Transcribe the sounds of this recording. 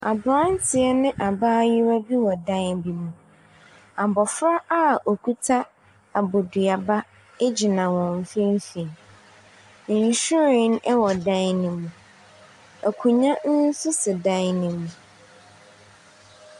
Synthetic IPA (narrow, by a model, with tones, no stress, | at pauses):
a˨bɾã˦n˦tʰɪ˨ɛ˦nɪ̃˦ʔa˨baː˦jɪ˦ɾa˦bi˦wɔ˨dã˦nbi˨mũ˨ | a˨bɔ˨fɾa˦ʔa˦˨o˨kʰu˦tʰa˦ | a˨bo˨dɥa˨ba˦ | e˦d͡ʑɪ˨nã˨wɔ̃˨m˨fɪ̃˦m˦fĩ˨ | n̩˨ɕᶣɪ˦ɾɪ̃˨˦nɛ˦wɔ˨dã˦nnɪ̃˨mũ˨ | æ˨kʰũ˨ɲã˦n̩˦n̩˦sʊ˦sɪ˨dã˦nnɪ̃˨mũ˨